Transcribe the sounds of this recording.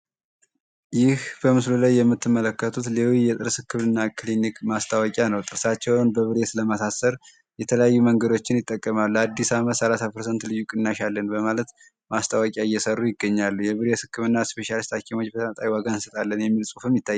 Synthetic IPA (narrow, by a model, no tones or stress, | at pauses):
jɪhbəmɨslulajːɛmːɨt̪ːɨmːələkːət̪ʰut̪lelojjɛt̪ʼɨɾsɨkːɨmɨnːakʰɨlinikmast̪ʰawakʼjanəwt̪ʼɨɾsat͡ʃːɛwnbəβɨɾe̞t̪ləmasasəɾ | jɛt̪ʰələjajːuməŋɡəd̪o̞t͡ʃːɪnjɪt̪ʼːəkʼːəmalːuad̪ːisaməsəlasapʰəɾsənt̪lɨjːukʼɨnːaʃalːənbəmalət̪ | mast̪ʰawəkʼjaɪjːɛsərːujɪɡːəɲːalːujɛβɨɾet̪hɨkːɨmɨnːaspe̞ʃalist̪hakʰimo̞t͡ʃːbət̪ʰəmət̪ʼawjiwaɡaɨnsət̪ʼalːənjɛmːilsʼufɨmjɪt̪ːajː